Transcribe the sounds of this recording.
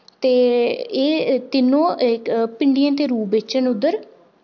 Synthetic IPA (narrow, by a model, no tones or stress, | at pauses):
t̪eːeːt̪ɪnːõːepɪɳɖijãːt̪eːɾuːbet͡ʃənʊd̪əɾ